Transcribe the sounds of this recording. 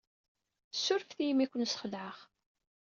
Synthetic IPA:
sːʊɾfθijmikʷːənsχəlʕəʁ

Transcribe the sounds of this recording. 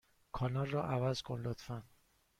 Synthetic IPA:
kʰɒːnɒlrɒːʔævæzkʰonlot̪fænd̪

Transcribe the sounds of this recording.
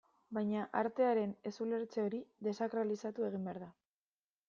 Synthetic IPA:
bajɲaʔaɾt̪e̞aɾe̞ne̞sule̞ɾt͡seo̞ɾiðe̞sakɾalisat̪ue̞ɣ̞imbe̞aɾða

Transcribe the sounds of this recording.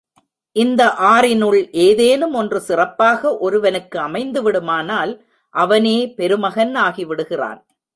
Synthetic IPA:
ʔɪnd̪ɐʔaːrɪnʊɭʔeːðeːnɯmɔndrɯsɪrɐpːaːɣɐʔɔɾɯʋɐnɯkːɯɐmɐɪnd̪ɯʋɪɽɯmaːnaːl | ʔɐʋɐneːpɛɾɯmɐɣɐnaːɣiʋɪɽɯɣɪra̰ːn

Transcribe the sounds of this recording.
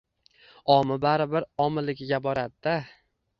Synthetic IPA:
ɒmɪbaɾɪbɪɾɒmɪlɪɡʲɪɡʲabɒɾad̪ɪd̪a

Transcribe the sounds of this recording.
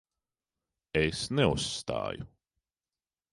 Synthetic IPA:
esneusːt̪a̰ːju

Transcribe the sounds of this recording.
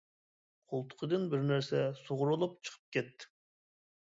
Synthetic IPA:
qʰolˠt̪ʰʊ̥qʰəd̪ɨnbɪɾnæɾsɛsoʁʊɾulˠup̚t͡ʃʰə̥qʰə̥p̚kʲɛt̪ːɪ̥

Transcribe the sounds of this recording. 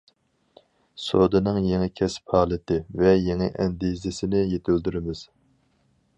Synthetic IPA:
sod̪ɨnɨŋjeŋɪkʲʰɛsphɑːlˠɨt̪ʰɪvɛjeŋɪʔɛnd̪izɪsɪnɪjet̪ʰyld̪yɾɪmɪz̥

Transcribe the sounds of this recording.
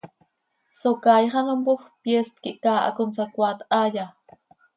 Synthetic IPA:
sokajχɑnampoxpjest̪̚kiʔkaːʔa̰konsakʷat̪aja

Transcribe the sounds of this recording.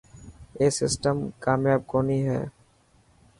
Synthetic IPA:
eːsɪsʈəmkaːmjaːb̚koːniɦɛ̰ː

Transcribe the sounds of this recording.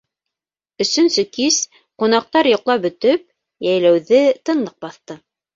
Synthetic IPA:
ɵ̆sɵ̆nsɵkiz | qunɑq̚t̪ɑɾjŏqlˠɑp̚bɵ̆t̪ɵp̚ | jæjlæwðɘt̪ɤ̆nlˠɤq̚bɑθt̪ɤ

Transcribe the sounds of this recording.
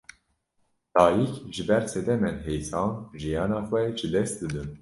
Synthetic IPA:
d̪̥ɑːjikʒɨbɛɾsɛd̪ɛmɛnɦejsɑːnʒijɑːnɑːxʷɛʒɨd̪ɛst̪̚d̪ɨd̪ɨn

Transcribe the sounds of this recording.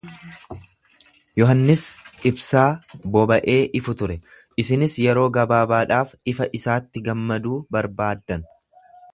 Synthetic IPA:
jɔɦɐnːɪsʔɪbsaːbɔbɐʔe̞ːʔɪfʊt̪ʊɾɛ | ʔɪsɪnɪsjɛɾo̞ːɡɐbaːbaːᶑaːfɪfɐʔɪsaːt̪ːɪɡɐmːɐd̪uːbɐɾbaːd̪ːɐn

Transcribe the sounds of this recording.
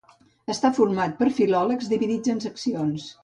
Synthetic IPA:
əst̪afuɾmat̪̚pəɾfilɔləkzðiβiðid͡zənsəksions

